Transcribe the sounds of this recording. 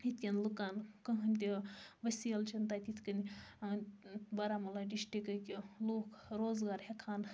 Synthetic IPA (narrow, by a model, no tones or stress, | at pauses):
it̪ʲjʲɐnlukaːnkɐɦɐnʲt̪̬ʲiʋɐsʲiɐlt͡ʃʰɐnt̪aːt̪ʲit̪ʰkɐnʲi | bɐɾaːmɐlaɖiʃʈikɐkʲiloːkʰɾoːzɡaːɾhʲekʰaːn